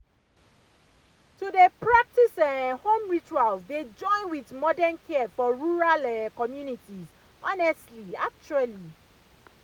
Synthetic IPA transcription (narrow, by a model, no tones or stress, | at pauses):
tudepɹak̚tisɛhõmɹit͡ʃualzded͡ʒɔ̃ɪ̃nwitmɔdɛ̃nkʰɛfɔɹuɹalɛkɔmjunitiz | ʔɔnɛstliak̚t͡ʃuali